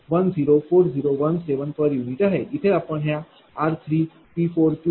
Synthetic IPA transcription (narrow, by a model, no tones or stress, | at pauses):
ʋənd͡ziɾofoɾd͡ziɾoʋənseʋənpəɾjuniʈaɦeit̪ʰeapəɳɦja | aɾt̪ʰɾiː | pifoɾʈu